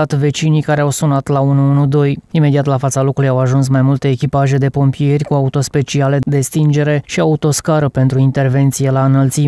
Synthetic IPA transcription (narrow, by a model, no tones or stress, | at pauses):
at̪ve̞t͡ʃinikaɾe̞awsunat̪launuunud̪o̞jime̞d̪iat̪lafat̪salo̞kɾulujawaʒuns̬majmult̪e̞ːkʲipaʒe̞d̪e̞po̞mpije̞rʲkuaut̪o̞spe̞t͡ʃiale̞d̪e̞st̪ind͡ʒe̞ɾe̞ʃiaut̪o̞skaɾəpe̞nt̪ɾuint̪e̞rve̞nt̪sije̞laɨnəlt̪si